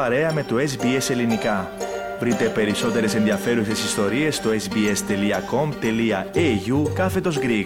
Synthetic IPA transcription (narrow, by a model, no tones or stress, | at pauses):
ɐɾe̞ɐme̞t̪ue̞sbie̞se̞linikɐ | vɾit̪e̞pe̞ɾiso̞t̪e̞ɾe̞se̞nðiɐfe̞ɾuse̞sist̪o̞ɾie̞st̪oesbie̞st̪e̞liɐko̞mt̪e̞liɐeʝukɐfe̞t̪o̞zɡɾi